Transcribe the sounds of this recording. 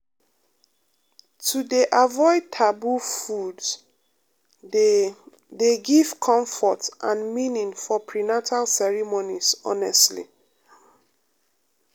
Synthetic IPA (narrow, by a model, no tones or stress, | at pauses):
tʰudeʔavɔɪd̚tʰabufud | deɡiv̥kʰɔ̃ɱfɔtʔãnminĩŋfɔpʰɹinatʰalsɛɹimonizɔ̰nɛstlḭ